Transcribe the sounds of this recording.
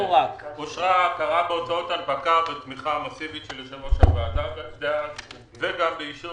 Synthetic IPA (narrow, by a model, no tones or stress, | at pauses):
akoʃʁakaʁabeot͡saot̪albakavet̪miχamasivitʃeleʃevoʃavaat̪aɡakd̪ea | veɡambeiʃu